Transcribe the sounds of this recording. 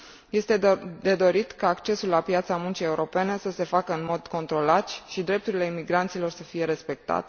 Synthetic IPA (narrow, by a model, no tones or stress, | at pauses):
je̞st̪ed̪e̞d̪o̞ɾit̪kaːkt͡ʃe̞sulːapjat̪samunt͡ʃie̞uɾo̞pe̞nesəse̞fakəɨnmo̞d̪ko̞nt̪ɾo̞lat̪ʃid̪ɾe̞p̚t̪uɾile̞imiɡɾant̪silo̞rsəfije̞ɾe̞spe̞k̚t̪a̰t̪